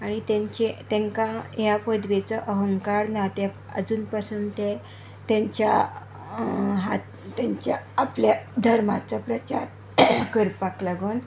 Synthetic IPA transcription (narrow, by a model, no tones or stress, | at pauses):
aɽ̃it̪ẽɲt͡ɕet̪ɛ̃ŋkaɦjapəd̪ʋet͡səʔəɦəŋkaɾnat̪e | ə̰d͡zuːnpasuːnt̪e | t̪ẽɲt͡ɕa | ɦa̰t̪ | t̪ːaɲt͡ɕaːplad̪ʱəɾmat͡sapɾət͡ɕaɾ | kəɾpaklaɡən